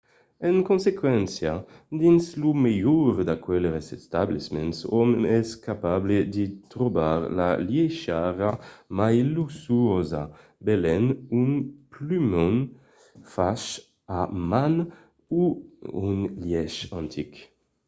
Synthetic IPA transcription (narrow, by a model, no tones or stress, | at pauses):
eŋkonsekwɛnsjad̪inslumejuɾd̪akwɛlɾesest̪ablismensɔmɛskapabled̪it̪ɾobaɾla̰ljeʃaɾamajlusuoza̰ | belɛnunplymɔn | faʃ | aman | uunljɛʃãnt̪ʰik